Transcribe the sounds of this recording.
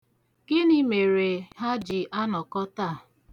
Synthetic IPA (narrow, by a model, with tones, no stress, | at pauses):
ɡ̥ɪ˦ni˦me˨ɾe˨ɦa˦d͡ʒi˨ʔa˦nɔ˨kɔ˦ta˦˨